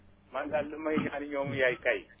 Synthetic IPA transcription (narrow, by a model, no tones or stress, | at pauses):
mandalumaiɲaniɲoŋujaikai